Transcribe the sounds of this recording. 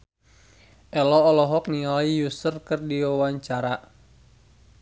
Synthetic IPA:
ʔɛlɔːlɔɦɔk̚niaijusərkɨrdiwawaɲt͡ʃaɾa

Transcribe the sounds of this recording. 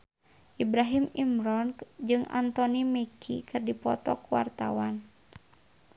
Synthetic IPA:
ʔibɾaɦimimɾɔnd͡ʒɨŋʔa̰nt̪ɔnimekʰikɨrdipɔ̰t̪ɔkuwa̰rt̪a̰wan

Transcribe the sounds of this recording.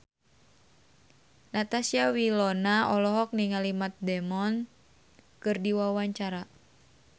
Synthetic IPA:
nat̪asiawilɔnaɔlɔɦɔk̚niŋalimat̪̚dɛmɔn | kɨrdiwawaɲt͡ʃaɾa

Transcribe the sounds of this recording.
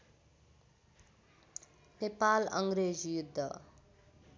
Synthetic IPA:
nepalʌŋɡɾezjud̪ʱːʌ

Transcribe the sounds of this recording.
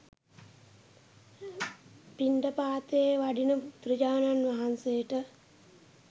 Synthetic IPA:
piɳɖəpaːt̪eeʋaɖinəut̪rəd͡ʑaːnanʋaɦansejəʈə

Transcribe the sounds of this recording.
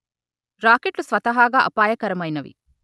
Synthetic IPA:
ɾaːkeʈlusʋɐt̪ɐɦaːɡaːʔɐpaːjɐkɐɾɐmɐjnɐʋḭ

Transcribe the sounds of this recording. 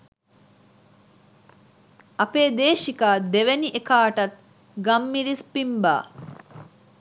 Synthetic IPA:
ʔɐpeːd̪eːʃikaːd̪eʋeniʔekaːʈɐt̪̚ | ɡɐmːiɾispimba̰ː

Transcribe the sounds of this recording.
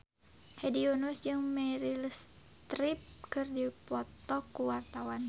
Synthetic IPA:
hɛdionusd͡ʒɨŋmɛɾils | t̪ɾip̚kɨrdipɔt̪ɔkuwart̪awan

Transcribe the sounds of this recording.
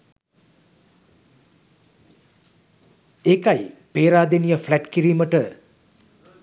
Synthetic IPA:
ekajpeːɾaːd̪enijəflæʈkiɾiːməʈə

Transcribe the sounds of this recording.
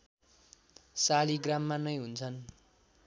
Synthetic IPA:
saliɡramːanʌjɦunt͡sʰʌn

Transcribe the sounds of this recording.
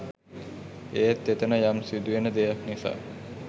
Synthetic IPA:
eːt̪ːet̪ənəjamsid̪uʋenəd̪ejaknisa̰ː

